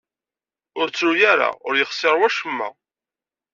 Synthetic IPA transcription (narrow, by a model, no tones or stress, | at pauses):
ʊɾt͡sːɾujæɾa̰ʊɾjəχsɪɾˤwæʃəmːæ̰